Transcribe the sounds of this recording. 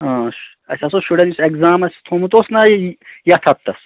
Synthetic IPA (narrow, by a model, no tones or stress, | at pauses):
ɐːʃ | ɐ̰sʲɐsoʃuɽɐnisekzaːmɐsʲt̪ʰoːmut̪osnɐjɐt̪ʰɐt̪ːɐs